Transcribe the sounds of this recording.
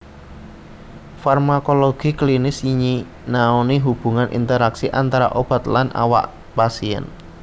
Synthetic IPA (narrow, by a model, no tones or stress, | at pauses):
farmakoloɡ̥i̤klinɪsiɲi | naoniɦub̥ṳŋanʔḭnt̪əɾaksiʔant̪aɾa̰ʔob̥a̤t̪lanʔa̰wa̰ʔ | pasiɛ̰n